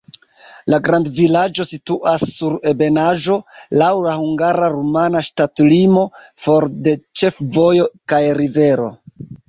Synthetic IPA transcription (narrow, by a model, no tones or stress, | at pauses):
laɡɾandvilad͡ʒo̞situʔasːuɾe̞be̞naʒo̞lawlahuŋɡaɾaɾumanaʃtatlimo̞fo̞ɾde̞t͡ʃe̞fvo̞jo̞kajɾive̞ɾo̞̰